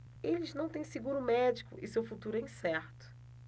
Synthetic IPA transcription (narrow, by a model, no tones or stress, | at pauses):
elɪznɐ̃w̃t̪ẽj̃sɪɡuɾʊmɛd͡ʒikʊ̰ʔɪsewfut̪uɾʊɛ̃j̃sɛɾt̪ʊ̥